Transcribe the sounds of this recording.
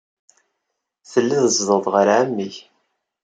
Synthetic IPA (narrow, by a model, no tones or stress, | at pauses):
θəlːiðəzðˤəðˤʁəɾʕæmːiʝ